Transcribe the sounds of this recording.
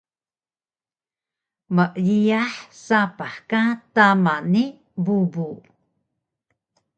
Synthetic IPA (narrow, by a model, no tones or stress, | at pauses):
məʔʎiaħsapaħkatamanːi | bubu